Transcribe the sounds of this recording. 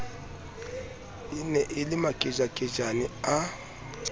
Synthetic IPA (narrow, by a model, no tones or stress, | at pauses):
inɛʔɪlimakʼid͡ʒakʼid͡ʒania